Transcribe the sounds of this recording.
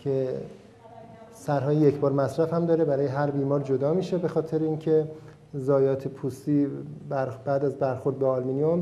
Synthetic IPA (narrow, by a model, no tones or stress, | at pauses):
cʰe̞ | sæɾɦɒːjijecʰbɒːɾmæsɾæfhæmd̪ɒːɾe̞bæɾɒːjeɦæɾbiːmɒːɾd͡ʒo̞d̪ɒːmiːʃe̞be̞xɒːt̪ʰe̞ɾeiːncʰe̞ | zɒːjɒːt̪ʰepʰuːst̪iːbæɾb̥æːd̪æzbæɾxo̞ɾd̪̚beɒlminijom